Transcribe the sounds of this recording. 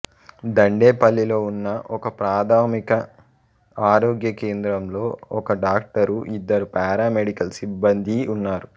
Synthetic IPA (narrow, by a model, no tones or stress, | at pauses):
d̪ɐɳɖeːpɐlːilo̞ːunːɐʔɔkɐpɾaːd̪ʱaːmikɐ | aːɾoːɡjɐkeːnd̪ɾɐmlo̞ːɔkɐɖaːk̚ʈɐɾuʔid̪ːɐɾupaːɾaːmeɽikɐlsibːɐnd̪ʱiunːaːɾu